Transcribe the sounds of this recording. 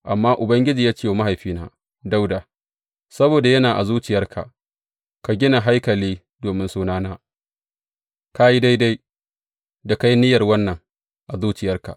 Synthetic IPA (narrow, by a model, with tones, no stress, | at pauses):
ʔa˨mːaː˦ʔʊ˨bɐ˦ŋɡʲɪ˦d͡ʒiː˨jaː˦t͡ʃe˦wma˦ɦa˨jɸiː˦na̰ː˦ | da˦wda˨ | sɐ˦boː˨da˨jɐ˦naː˨ʔa̰˨zuː˦t͡ʃɪ˨jɐ˦rkʰa̰˨ʔ | ka˨ɡʲɪ˦na˨ɦa˦jkɐ˨liː˦ | doː˨mɪ˦nsuː˦naː˦naː˦ | ka˦ji˦da˦jda˦j | da˨ka˦jnɪ˦jɐ˨rwɐ˦nːɐ˨ŋ | ʔa˨zuː˦t͡ʃɪ˨jɐ˦rka̰˨ʔ